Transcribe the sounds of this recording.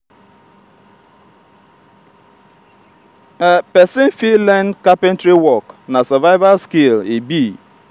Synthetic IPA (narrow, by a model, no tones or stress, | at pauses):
pɛsɪ̃nfilɛnkapɛntɾiwɔknasɔvaɪvalskelebi